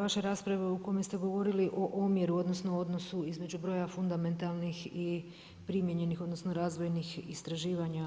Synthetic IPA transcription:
ʋaʃe̞ɾaːspɾaʋeuko̞mest̪eɡo̞ʋo̞ɾiliʔo̞ʔomje̞ɾuo̞d̪no̞snoo̞d̪no̞suizme̞d͡ʒubɾo̞ːjafund̪ame̞nt̪alˠnixi | pɾimjeɲe̞nixo̞d̪no̞sno̞ɾaːzʋo̞jnixist̪ɾaʒiːʋaɲa

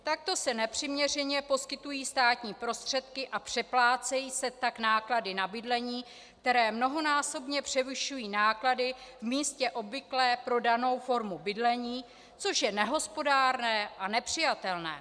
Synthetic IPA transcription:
t̪ak̚t̪o̞sɛnɛpr̥ɪmɲɛr̝ɛɲɛpo̞skɪt̪ujiːst̪aːt̪ɲiːpɾo̞st̪r̝̥ɛt̪kɪʔapr̝̥ɛplaːt͡sɛjiːsɛt̪aknaːkladɪnabɪdlɛɲiː | k̚t̪ɛɾɛːmno̞ɦo̞naːso̞bɲɛpr̝̥ɛvɪʃujiːnaːkladɪvmiːscɛʔo̞bvɪklɛːpɾo̞dano̞wfo̞ɾmubɪdlɛɲiː | t͡so̞ʃjɛnɛɦo̞spo̞daːɾnɛːʔanɛpr̝̥ɪjat̪ɛlnɛ̰ː

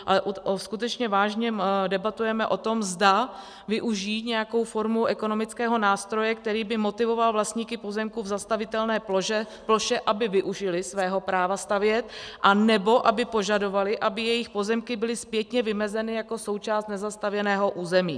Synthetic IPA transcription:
ʔalɛʔskut̪ɛt͡ʃɲɛvaːʒɲɛdɛbat̪ujɛmɛʔo̞t̪o̞mzda | vɪʔuʒiːt̪ɲɛjako̞wfo̞ɾmuʔɛko̞no̞mɪt͡skɛːɦo̞naːst̪ɾo̞jɛk̚t̪ɛɾiːbɪmo̞t̪ɪvo̞valvlast̪ɲiːkɪpozɛmkuvzast̪avɪt̪ɛlnɛː | ploʃɛʔabɪvɪʔuʒɪlɪsvɛːɦo̞pɾaːvast̪avjɛt̪̚ʔanɛbo̞ʔabɪpo̞ʒado̞valɪʔabɪjɛjɪxpo̞zɛmkɪbɪlɪspjɛt̪ɲɛvɪmɛzɛnɪjako̞so̞wt͡ʃaːst̪nɛzast̪avjɛnɛːɦo̞ʔuːzɛmiː

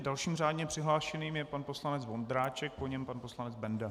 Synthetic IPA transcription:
dalʃiːmr̝aːdɲɛpr̝̥ɪɦlaːʃɛniːmjɛpanpo̞slanɛd͡zvo̞nd̪ɾaːt͡ʃɛk̚poɲɛmpanpo̞slanɛd͡zbɛnda

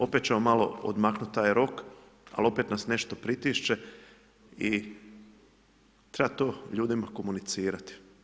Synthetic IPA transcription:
o̞pet̪̚t͡ɕemomalo̞̰o̰d̪maknut̪̚t̪ːaːjɾo̞k | a̰lo̞pet̪nasne̞ʃt̪o̞pɾit̪iːʃt͡ʃe̞ | i | t̪ɾebat̪o̞ːʎuːd̪imako̞munit̪siːɾat̪i̥

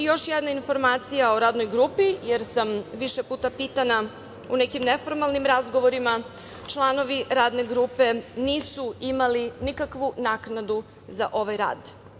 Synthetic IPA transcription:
ijo̞ʃjed̪nainfo̞ɾmaːt̪sijaoɾaːd̪no̞jɡɾupijeɾsamʋiʃe̞puːt̪apiːt̪ana | une̞kimnefo̞ɾmalˠnimɾazɡo̞ʋo̞ɾima | t͡ʃlˠano̞ʋiɾaːd̪ne̞ɡɾuːpe̞niːsuimalinikakʋunaknad̪u | zaʔo̞ʋajɾa̰ːd̪

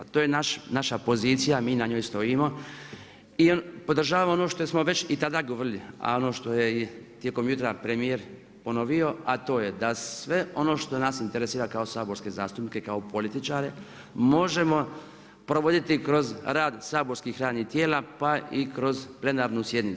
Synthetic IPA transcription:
at̪oːjenaʃnaʃapo̞ziːt̪sijamiːnaɲojst̪o̞imo̞ | iopod̪r̩ʒaːʋamoono̞ːʃt̪osmo̞ʋe̞t͡ʃit̪ad̪aːɡoʋrilia̰o̞noːʃt̪o̞jeit̪jeko̞mjut̪ɾapɾe̞mijeɾ | po̞no̞ʋio̞at̪o̞ːjed̪asʋe̞o̞no̞ːʃt̪o̞naːsint̪eɾesiːɾakao̞saːbo̞ɾske̞zaːst̪upnikekaopo̞lit̪it͡ʃaːɾe | mo̞ʒe̞mo̞ | pɾo̞ʋo̞d̪it̪ikɾo̞zɾaːd̪saːbo̞ɾskixɾaːd̪nit̪jeːlapaikɾo̞zple̞naːɾnusje̞d̪niu

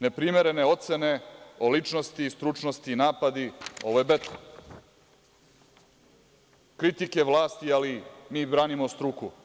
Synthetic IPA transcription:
ne̞pɾimeɾe̞ne̞o̞t̪sene̞olit͡ʂnost̪iːst̪ɾut͡ʂnost̪iːnaːpad̪io̞ʋojbet̪o | kɾit̪ike̞ʋlˠaːst̪ialimiːbɾaːnimo̞st̪ɾuku

